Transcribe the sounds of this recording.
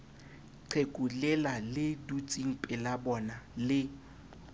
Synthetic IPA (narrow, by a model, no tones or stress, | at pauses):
ǃʰekʼulɛlalɪdut͡sʼiŋ̩pʼɪlabɔnalɪ